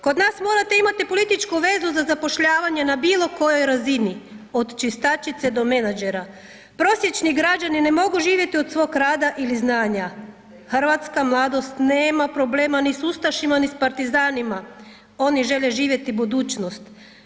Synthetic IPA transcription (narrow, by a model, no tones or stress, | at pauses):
ko̞d̪naːsmo̞ːɾat̪e̞imat̪ipo̞lit̪it͡ʃkuʋe̞zuzazapo̞ʃʎaːʋaɲe̞nabiːlˠo̞ko̞jo̞jɾazinio̞d̪t͡ʃist̪at͡ʃit̪se̞d̪o̞me̞nad͡ʒe̞ɾa | pɾo̞sje̞t͡ʃniɡɾad͡ʒanine̞mo̞ɡuʒiːʋje̞t̪iod̪sʋo̞ːkɾaːd̪aʔiliznaːɲa | xr̩ʋat̪skamlˠaːd̪o̞st̪neːmapɾo̞bleːmanisust̪aʃimanispaɾt̪izaːnima | o̞niʒe̞ʎeʒiːʋje̞t̪ibud̪uːt͡ʃno̞st̪